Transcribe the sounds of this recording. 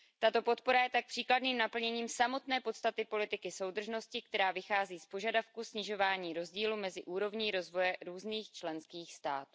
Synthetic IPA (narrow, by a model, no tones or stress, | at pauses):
t̪at̪o̞po̞t̪̚po̞ɾajɛt̪ak̚pr̝̥iːkladniːmnapl̩ɲɛɲiːmsamo̞t̪nɛːpo̞t̪st̪at̪ɪpo̞lɪt̪ɪkɪso̞wd̪r̩ʒno̞scɪk̚t̪ɛɾaːvɪxaːziːspoʒadafkusɲɪʒo̞vaːɲiːɾo̞zɟiːlumɛzɪʔuːɾo̞vɲiːɾo̞zvo̞jɛɾuːzniːxt͡ʃlɛnskiːxst̪a̰ːt̪u̥